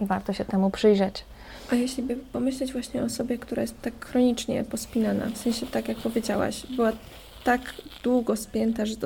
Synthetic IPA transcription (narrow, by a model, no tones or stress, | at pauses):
ivaɾt̪ɔɕɛt̪ɛmupʂɘjʐɛt͡ɕ | ʔajɛɕlʲibɘpɔmɘɕlɛd͡ʑvwaɕɲɛɔːsɔbʲjɛkt̪uɾajɛst̪ːakːɾɔɲit͡ʂɲɛ̰pɔspʲinana̰fsɛ̃ɲ̃ɕɛt̪akʲjak̚pɔvʲjed͡ʑawa̰ɕbɘwa | t̪aɡd̪̥wuɡɔspʲjɛnt̪aʐɛ